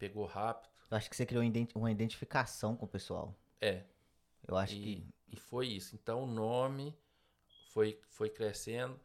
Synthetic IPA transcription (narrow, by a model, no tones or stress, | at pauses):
peɡohapi̥d̪ʊ̥ewaʃʊ̥kɪ̥sekɾiõid̪ẽũmɐid̪ẽnt͡ʃi̥fikasɐ̃w̃kõʊpesua̰w | ɛ | ḛwaʃʊkɪɪfojisʊẽnt̪ɐ̃w̃ʊnõmɪ | fojfojkɾesẽd̪ʊ